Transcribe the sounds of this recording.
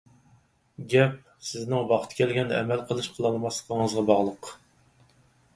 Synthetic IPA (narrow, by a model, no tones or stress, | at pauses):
ɡʲɛp̚ | sɪznɪŋbɑχt̪ʰkʲʰɛlɡʲɛnɛ̰mɛlqʰəlˠɨʃqʰəlˠɑlˠmɑslˠə̥qʰəŋəzʁɑbɑʁlˠəq